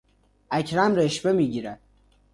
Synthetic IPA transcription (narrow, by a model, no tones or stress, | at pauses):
æcʰɾæmɾeʃbe̞miːɟiːɾæd̪̥